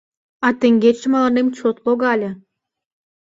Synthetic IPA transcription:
ɑt̪ĕŋɡet͡ɕə̆mɑlɑnemt͡ɕot̪loɣɑlʲĕ

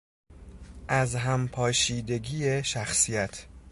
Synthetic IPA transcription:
ʔæzɦæmpʰɒːʃiːd̪e̞ɡiːjeʃæxsijæt̪ʰ

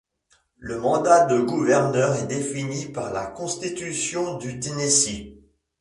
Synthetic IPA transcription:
ləmɑ̃d̪ad̪əɡuvɛʁnœʁɛd̪efinipaʁla̰kɔ̃st̪it̪ysjɔ̃d̪yt̪enesi

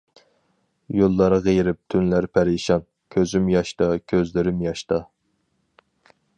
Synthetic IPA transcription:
jolˠːɑɾʁejɾɪp̚t̪ʰynlæɾpʰæɾɪʃɑn | kʲʰøzymjɑʃt̪ɑkʲʰøzlɪɾɪmjɑʃt̪ɑ

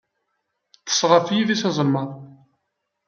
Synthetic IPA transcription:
θə̥sˤʁəɾfjiðisɑzˤəlmɑɾˤ

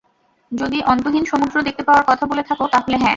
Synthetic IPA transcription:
d͡ʑod̪iʔɔnt̪oɦinʃɔmod̪ɾod̪ek̚t̪epaoaɾkɔt̪ʰabolet̪ʰakot̪aɦoleɦɛ̃

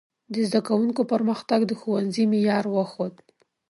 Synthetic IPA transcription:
d̪əzd̪akawuŋkopəɾməxt̪aɡd̪əxuwanzimejɑɾwəxod̪

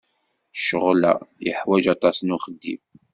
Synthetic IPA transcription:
ʃəʁlæ̰jəħwæʒɑt̪ˤɑsnʊχəd̪ːḭm

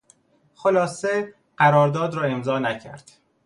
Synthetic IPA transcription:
xolɒːse | ɢ̥æɾɒːɾd̪ɒːd̪ɾɒːe̞mzɒːnæcʰæ̰ɾd̪̥

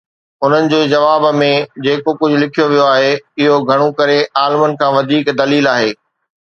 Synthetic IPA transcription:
ʊn̤ənɪ̆d͡ʑeːd͡ʑɐʋaːbmẽd͡ʑeːkokʊd͡ʑʱʊlɪkʰijoʋijoaːɦeɪɦoɡʱɐɽ̃okɐɾeaːlɪmənɪ̆kʰãːʋɐd̪ʱiːkd̪ɐliːlaːɦeː

